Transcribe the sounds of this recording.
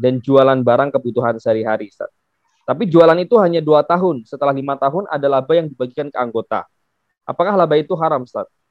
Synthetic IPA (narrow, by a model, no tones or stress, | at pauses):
dand͡ʒualanbaɾaŋkəbut̪uɦansəɾiɦaɾisa̰t̪̚ | t̪ːapid͡ʒualanit̪uɦaɲaduat̪aɦʊnsət̪əlahlimat̪aɦʊnʔa̰dalabajaŋdibaɡikankəaŋɡot̪a̰ | ʔa̰pakahlabait̪uɦaɾamst̪a̰t̪̚